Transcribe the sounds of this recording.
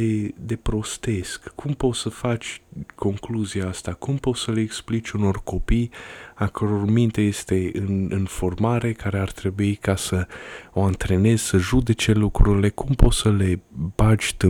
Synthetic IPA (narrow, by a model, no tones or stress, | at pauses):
ed̪e̞pɾo̞st̪e̞skːumpo̞t̪səfat͡ʃʲko̞ŋkluziaast̪akumpo̞t̪səleeksplit͡ʃʲuno̞rko̞pijakəɾo̞rmint̪eje̞st̪e̞ɨnɨnfo̞rmaɾe̞kaɾeart̪ɾe̞buikasəo̞ant̪ɾe̞ne̞z̥səʒud̪e̞t͡ʃe̞lukɾuɾile̞kʰumpot̪səle̞bad͡ʒʲt̪ɨ